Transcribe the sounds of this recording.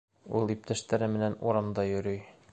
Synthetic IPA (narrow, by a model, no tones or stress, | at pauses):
ulˠip̚t̪æʃt̪æɾɘmɘ̆nænṵɾɑmd̪ɑjɵ̆ɾyj